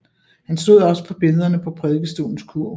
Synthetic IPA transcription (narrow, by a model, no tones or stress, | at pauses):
hænsd̥o̝ð̰ˠɒ̽sə̥pʰɒ̽b̥e̝lð̞ˠɐnəpʰɒ̽pʰʁɛðˠɡ̥əsd̥o̝̰ːln̩skʰuɐ̰